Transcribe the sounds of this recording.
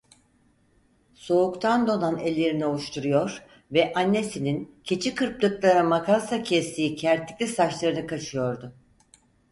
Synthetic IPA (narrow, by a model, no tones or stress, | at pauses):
so̞ukt̪ʰand̪o̞nanɛlʲːe̞ɾinio̞lˠuʃt̪ʰuɾujo̞ɾ | vɛʔanːe̞sinincʰet͡ʃʰikɯɾplˠɯklˠaɾamakasacʰɛst̪ʰiːicʰæɾt̪ːʲicʲlʲisaʃlˠaɾɯnɯkʰat͡ʃʰɯjo̞ɾd̪ʊ